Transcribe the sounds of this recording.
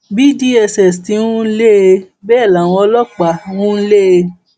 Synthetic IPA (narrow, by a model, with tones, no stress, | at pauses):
bi˦di˦ɛ˧sɛ˨sti˨˦ũ˦n̩˦le˦e˧ | bɛː˦˨la˨w̃ɔ̃˧ɔ˧˦lɔ˦k͡pa˨˦ũ˦n̩˦le˦e˧